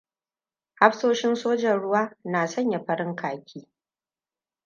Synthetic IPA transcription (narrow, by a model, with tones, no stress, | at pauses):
ha˦ɸsoː˦ʃɪ˦nsoː˦d͡ʒɐ˨nɽʊ˦waː˦naː˨sɐ˦ɲja˨ɸɐ˦ɾɪ˦ŋkʰaː˨kʲʰiː˦